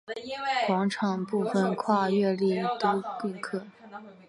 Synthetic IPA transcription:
kwɑ˧˥ŋʈ͡ʂʰɑ˨˩ŋpu˥˩fə˨˩nkʰwa˥˧ɥɛ˥˧li˥˩t̪o˥y˥˧nkʰɤ˥˩

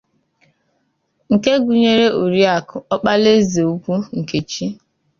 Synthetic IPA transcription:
ŋ̩˨ke˦ɡu˨ɲe˦ɾe˦ʔo˨ɾi˦a˨kʊ˨ɔ˦k͡pa˦le˦ze˨u˦kʷu˦ŋ̩˨ke˨t͡ʃi˦

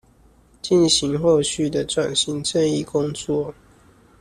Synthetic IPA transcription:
t͡ɕi˥˨nɕi˨˦ŋxo˥˧ʊɕy˥˨d̪ə˨ʈ͡ʂwa˨˩nɕi˨˦ŋʈ͡ʂʰə˥˧ni˥˨kʊ˦ŋt͡swɔ˥˨

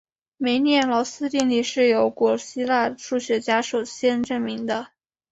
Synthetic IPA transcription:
me˧˥ɪnjɛ˥˩nlɔ˧˥sɹ̩˥t̪i˥˧ŋli˥˩ʂɻ̩˥˩jo˧˥ʊkwɔ˨˩ɕi˥la˥˧ʈ͡ʂu˥˩ɕɥɛ˧˥t͡ɕja˥ʂo˨˩ʊɕjɛ˥nʈ͡ʂɤ˥˩ŋmi˧˥ŋd̪ə˧

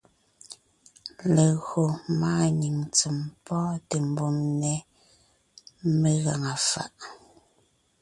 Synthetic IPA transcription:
le˨ɣo˨maː˦ɲi˨ŋt͡se˨mpɔː˦te˨m˨bo˦˨mnɛ˦ | me˦ɣa˨ŋa˨fa̰˦˨ʔ

